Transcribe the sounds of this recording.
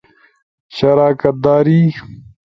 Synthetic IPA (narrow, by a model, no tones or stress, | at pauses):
ɕɐɾaːkɐt̪̚d̪aːɾiː